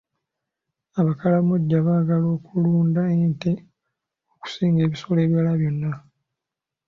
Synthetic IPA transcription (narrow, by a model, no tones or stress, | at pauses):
aβakalamuɟːaβaːɡalo̞ːkuluːndaente | oku̥siːŋɡe̞ːβiso̞le̞ːβjalaβjo̞nːa